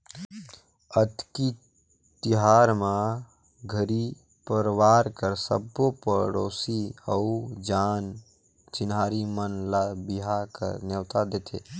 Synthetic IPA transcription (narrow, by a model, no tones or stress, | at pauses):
ət̪ki | t̪iɦaɾmã | ɡʱəɾi | pəɾwaɾkəɾsə̰bːopəɾoːsiəud͡ʒaːn | t͡ʃɪnɦaɾimənlabiɦakə̰ɾnewt̪ad̪et̪ʰḛ